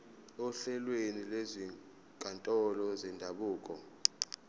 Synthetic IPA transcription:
ɔɬɛlwenilezi | kʼantʼɔlɔzɛndʱaɓuːkʼɔ

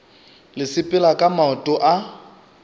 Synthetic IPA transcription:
lɪsɪpʼɪlakʼamaɔtʼɔʔa

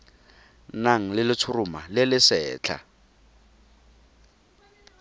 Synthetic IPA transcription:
naŋ̩lɪlɪt͡sʰʊrʊma̰lɪlɪsɛːt͡ɬʰa̰

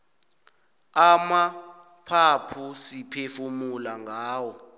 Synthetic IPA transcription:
ama | pʰapʰusipʰefumulaŋɡʱaːwɔ

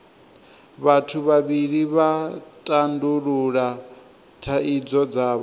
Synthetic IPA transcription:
βatʰuβaβiɺiβatʼanduɺuɺa | tʰaid͡zɔd͡zaːβɔ

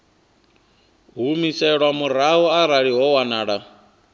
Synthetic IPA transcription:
ɦumisɛɺwamuɾaɦɔaɾaɺiɦɔwanaːɺa

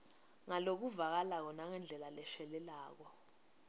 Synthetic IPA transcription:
ŋalok̬uvak̬alak̬ɔnaŋɛnd͡ɮʱɛlalɛʃɛlɛlaːk̬ɔ

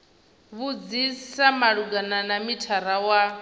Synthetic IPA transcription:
βud͡zisamaɺuɡananamitʰaɾawa

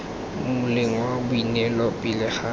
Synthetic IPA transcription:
mmʊlɪŋ̩wabʊinɛlɔpʼɪlɪχa

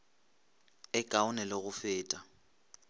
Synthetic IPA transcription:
ɪkʼaʊnɛlɪɣʊfɪːtʼa

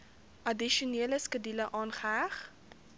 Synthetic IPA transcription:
ʔɐdiʃuniələskədiləʔɑːnχəæχ

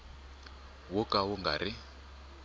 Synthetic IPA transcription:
wʊkʼawʊŋɡa̰ɾɪ

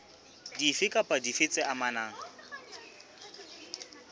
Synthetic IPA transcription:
difɪkʼapʼadifɪt͡sʼɪamanaːŋ̩

